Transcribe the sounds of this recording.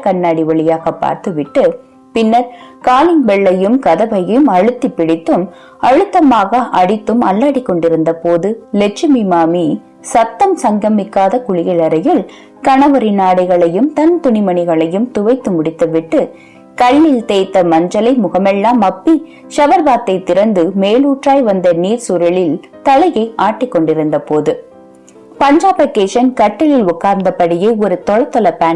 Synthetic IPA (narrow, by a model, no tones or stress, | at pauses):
kɐɳːaːɽɪʋɐɭɪjaːɣɐpːa̰ːɾt̪ɯʋɪʈːɯ | pɪnːɐɾkaːlɪŋbɛɭːɐjɯmkɐðɐʋɐjɯmɐɻɯt̪ːipːɪɽɪt̪ːɯm | ɐɻɯt̪ːɐmaːɣɐʔɐɽɪt̪ːɯmɐlːaːɽɪkːɔɳɖɪɾɯnd̪ɐpoːðɯlɛt͡ʃːɪmimaːmi | sɐt̪ːɐmsɐŋɡɐmɪkːaːðɐkʊɻɪɣɐɭɐɾɐjɪɭ | kɐɳɐʋɐɾɪnaːɽɐɪɣɐɭɐjɯmt̪ɐnt̪ʊɳɪmɐɳɪɣɐɭɐjɯmt̪ʊʋɐɪt̪ːɯmʊɽɪt̪ːɐʋɪʈːɯ | kɐɭːɪlt̪eːt̪ːɐmɐɲd͡ʒɐlɐɪmʊɣɐmɛɭːaːmɐpːi | ʃɐʋɐɾbaːt̪ːɐɪt̪ːɪɾɐnd̪ɯmeːluːʈraːjʋɐnd̪ɐniːɾsuːɾɐɭɪl | t̪ɐlɐjɐɪaːʈːɪkːɔɳɖɪɾɯnd̪ɐpoːðɯ | pɐɲd͡ʒaːpɐkeːʃɐnkɐʈːɐlɪlʊkːaːɾnd̪ɐpːɐɽɪjeɔɾɯt̪ɔɻɐt̪ːɔɭɐpaːn